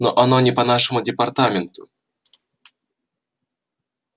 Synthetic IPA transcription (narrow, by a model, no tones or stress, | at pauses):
no̰ʔanonʲɪpɐnaʂɨmʊdʲɪpart̪amʲɪnt̪ʊ